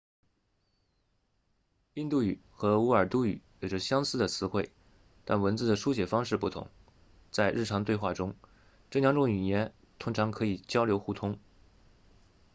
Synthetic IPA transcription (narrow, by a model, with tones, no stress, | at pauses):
i˥˧nt̪u˥˩y˨˩xɤ˧˥u˧˥ə˞˨˩t̪u˥˩y̰˨˩˦jo˨˩ʈ͡ʂə˧˥ɕjɑ˥ŋsɹ̩˥d̪ə˨t͡sʰɹ̩˧˥xwe˥˩ɪ | t̪a˥˩nwə˧˥nt͡sɹ̩˥˩d̪ə˩ʂu˥ɕ̬jɛ˨˩fɑ˥ŋʂɻ̩˥˧pu˥˩t̪ʰʊ̰˧˥ŋ | t͡sa˥˧ɪɻ̩˥˩ʈ͡ʂʰɑ˧˥ŋt̪we˥˧ɪxwa˥˩ʈ͡ʂʊ˥ŋ | ʈ͡ʂɤ˥˩jɑ˧˥ŋʈ͡ʂʊ˥˩ŋy˨˩jɛ˧˥n | t̪ʰʊ˥ŋʈ͡ʂʰɑ˧˥ŋkʰɤ˧˥i˨˩t͡ɕjɑ˥ʊljo˧˥ʊxu˥˩t̪ʰʊ˥ŋ